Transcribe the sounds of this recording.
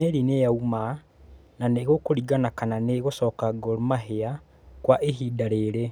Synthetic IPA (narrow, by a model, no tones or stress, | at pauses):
eɾinejauma | naneɣokoɾiɡanakananeɣosɔkaɡoɾmaɦea | kwaʔeɦidaɾeɾe